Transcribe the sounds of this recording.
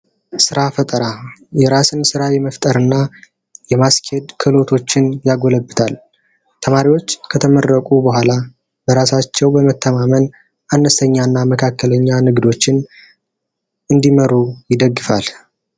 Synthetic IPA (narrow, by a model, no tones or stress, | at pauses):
sɨɾafət̪ʼəɾajɛɾasɨnsɨɾajɛməft̪ʼəɾɨnːa | jɛmaskʰed̪kʰɨlo̞t̪ʰo̞t͡ʃːɪnjaɡo̞ləbːɨt̪ʰal | t̪ʰəmaɾiwo̞t͡ʃːkʰət̪ʰəmərːəkʼubəɦʷala | bəɾasat͡ʃːɛwbəmət̪ʰːəmamən | ʔanːəst̪ʰəɲːanːaməkʰakːələɲːanɨɡd̪o̞t͡ʃːɪn | ʔɨnd̪iməɾujɪd̪əɡːɨfa̰l